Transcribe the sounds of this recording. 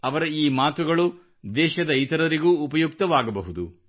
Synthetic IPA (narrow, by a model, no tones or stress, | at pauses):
ɐʋɐɾɐiːmaːt̪uɡɐɭu | d̪ɛːʃɐd̪ɐit̪ɐɾɐɾiɡuːpɐjukt̪ɐʋaːɡɐbɐɦud̪u